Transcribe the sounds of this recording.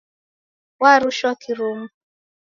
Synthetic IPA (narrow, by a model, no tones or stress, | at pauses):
waɾʊʃɔkiɾom̩